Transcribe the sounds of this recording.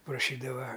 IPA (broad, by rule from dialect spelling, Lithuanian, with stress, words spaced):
prɐˈʃʲiːdɐʋɐ